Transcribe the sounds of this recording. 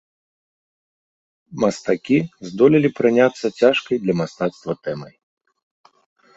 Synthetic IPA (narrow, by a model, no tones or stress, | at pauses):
mɐst̪akʲizd̪ɔlʲilʲipɾɨnʲat̪sːɐt͡sʲaʂkɐjd̪lʲɐmast̪at̪st̪vɐt̪ɛmɐ̰j